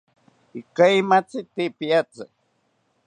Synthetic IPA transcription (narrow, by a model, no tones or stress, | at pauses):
ikajmat͡sit̪ipiat͡sɨ̰